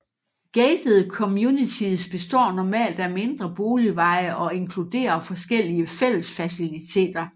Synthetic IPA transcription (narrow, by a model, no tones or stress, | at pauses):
ɡ̥eːd̥ð̩ˠkʰɒ̽mjunit͡sʰiðˠsb̥e̝sd̥ɒ̰ːnɒmɛ̰ːld̥æme̝nd̥ʁɐb̥o̝ːliʋɑ̈ɪəʔɒ̽e̝ŋkʰlud̥e̝̰ːɐfɒ̽sɡ̥el̰iəfel̰əsfæsilit͡sʰe̝̰ːd̥ɐ